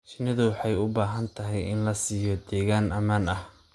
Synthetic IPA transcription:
t͡ʃɪnɐðʊwɑħɑjʊbaːɦɐnt̪ʰɐɦɛjɪ̰nlɐsiːjɔd̪ɛːɣaːnɐmaːnɐh

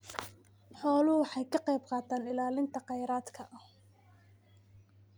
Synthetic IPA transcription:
ħɔːlʊwɑħɑjkʰɐqɑjb̚qɑːt̪ʰaːnɪlaːlɪnt̪ʰɐqɑjɾaːd̪kʰɐʔɐ

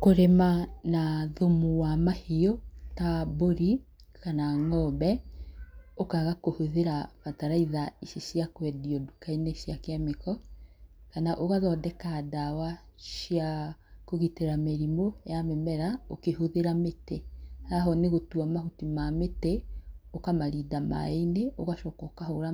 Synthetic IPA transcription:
koɾemanaðomuwamahiɔtaboɾi | kanaŋɔbɛ | okaɣakohoðeɾaβataɾaiðaisiʃjakwɛdiɔdukaineʃjakeamekɔ | kanaʔoɣaðɔdɛkadawaʃjakoɣiteɾameɾimojamɛmɛɾaokehoðeɾametehaɦɔneɣotuamahutimameteokamaɾiːdama̰eneoɣaʃɔːkɔkahoɾa

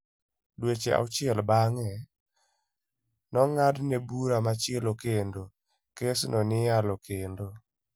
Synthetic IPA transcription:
dwet͡ʃḛʔa̰ʊt͡ʃɪɛlbaŋɛ | nɔŋadnebuɾamat͡ʃɪelokendo | kesnɔnɪjalɔkendo

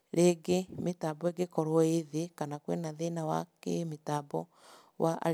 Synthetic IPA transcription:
ɾeɡemetabɔeɡekɔɾwɔeðekanakwḛnaðenawa̰kemetabɔ | waʔa̰

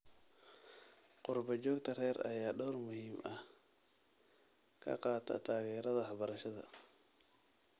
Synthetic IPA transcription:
qʊrbɐd͡ʒɔːɡt̪ʰɐrɛːɾɐ̰jaːɗɔːrmʊhiːmɐh | kʰɐ̰qɑːt̪ʰɐ̰t̪ʰaːɣɛːɾɐðɐħɑβɐɾɐʃɐðɐ̰

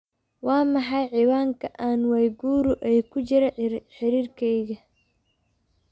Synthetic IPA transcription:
wɑːmɑħɑjʕiːwaːŋkʰɐʔaːnwɛjɡuːɾʊʔɛjkʰʊt͡ʃɪɾɐħɪɾiːrkʰɛjɣɐ

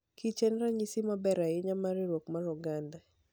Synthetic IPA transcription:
kʰit͡ʃɛnɾaɲisimabɛɾaɪɲamaɾiɾwokmaɾuɡanda

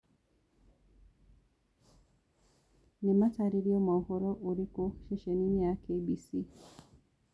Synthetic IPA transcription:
nimataɾiɾiɔmauhɔɾɔʔuɾikoʃeʃeniniakʰebisi

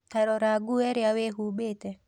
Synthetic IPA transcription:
taɾɔɾaɡuɛɾɪaweɦubetɛ

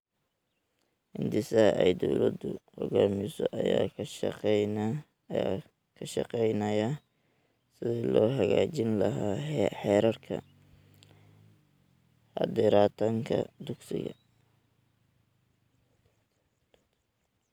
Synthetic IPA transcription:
hɪnd̪ɪsɐɐʔɛjd̪ɔwlɐd̪ʊhɔɣaːmɪsɔʔɐja̰ː | kʰɐʃɑqɛjnɐja | sɪðɛːlɔːɦɐɣaːt͡ʃɪnlɐɦaːħɛːɾɐrkʰɐ̰ | ħɑd̪ɪɾaːt̪ʰɐŋkʰɐd̪ʊɡsɪɣɐ

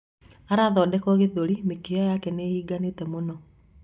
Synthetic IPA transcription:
aɾaðɔdɛkɔɣeðoɾimekeɔjakɛneiːɡanetɛmonɔ

